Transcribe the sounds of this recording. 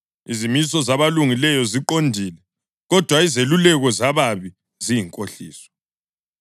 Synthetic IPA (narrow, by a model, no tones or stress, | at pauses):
izimisɔzaβaluŋilɛjɔziǃondʱilɛ | ɣɔd̥ʱwaizelulɛɣɔzaβaβi | zijiŋkʼoɬiːsɔ̥